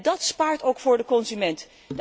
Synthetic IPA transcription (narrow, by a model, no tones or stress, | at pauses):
dɑtspaːɹtowkfʊːɹdəkɔnzymɛnt | də